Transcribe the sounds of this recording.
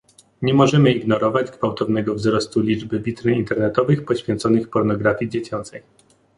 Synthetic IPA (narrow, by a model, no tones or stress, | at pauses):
ɲɛmɔʐɛmɘiɡnɔɾɔvad͡ʑɡvawt̪ɔvn̪ɛɡɔvzɾɔst̪ulʲid͡ʐbɘbʲit̪ɾɘint̪ɛɾnɛt̪ɔvɘxpɔɕfʲjɛnt̪sɔnɘxpɔɾnɔɡɾafʲjid͡ʑet͡ɕɔnt̪ɛj